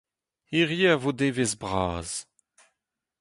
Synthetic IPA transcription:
iʁjeavod̪evezbʁaːz̥

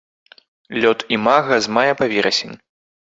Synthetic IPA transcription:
lʲɔt̪imaɣɐzmajɛpavʲɛɾɐsʲenʲ

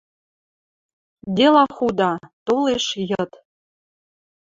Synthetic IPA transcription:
d̪elɑxud̪ɑt̪oleʃjɤ̆t̪

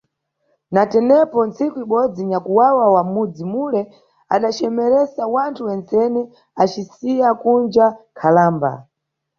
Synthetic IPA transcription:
natɛnɛpɔnt͡sʰikuiɓɔd͡ziɲakuwawawamud͡zimulɛ | a̰ɗat͡ʃɛmɛɾɛsawantʰuwɛnt͡sɛnɛ | at͡ʃisijakund͡ʒakʰalaːmba̰

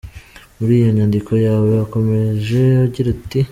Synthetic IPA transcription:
muɾiːjo̞ɲandiko̞jaːwo̞jako̞me̞ʒe̞aɟiɾati

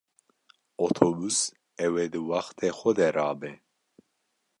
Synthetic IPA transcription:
ot̪ʰobus | ɛwed̪ɨwaxt̪ʰexʷɔd̪ɛɾɑːbɛ

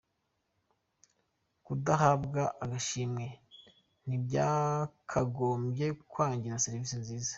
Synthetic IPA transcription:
kudaɦabɡaʔaɡaʃimŋe̞ | n̥ibjaːkʰaɡoːmbje̞kwaːɲɟiɾaseɾiviːsinziːzḁ

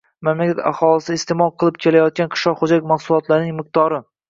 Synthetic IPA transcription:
mamlakʲat̪a̰χɒlˠɪsɪst̪emɒlˠqʰɨlˠɪp̚kʲʰe̞lajɒt̪̚kʲanqʰɨ̥ʃlɒqχod͡ʒalɪkʲmaχsʊlˠɒt̪laɾnɪŋmɪq̚t̪ɒɾɪ

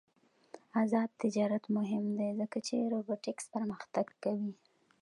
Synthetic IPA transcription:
azɑd̪̚t̪ɪd͡ʒɑɾat̪mʊɦɪmd̪ezəkat͡ʃeɾoboʈɪkspəɾməxt̪aɡkawi

